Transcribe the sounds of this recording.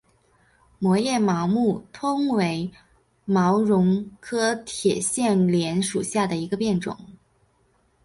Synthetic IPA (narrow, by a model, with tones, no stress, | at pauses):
mwɔ˧˥jɛ˥˩mɑ˧˥ʊmu˥˩t̪ʰʊ˥ŋwe˧˥ɪ | mɑ˧˥ʊɻʊ˧˥ŋkʰɤ˥t̪ʰjɛ˨˩ɕjɛ˥˩nljɛ˧˥nʂu˨˩ɕja˥˩d̪ə˩i˧˥ɡə˧pjɛ˥˩nʈ͡ʂʊ̰˨˩˦ŋ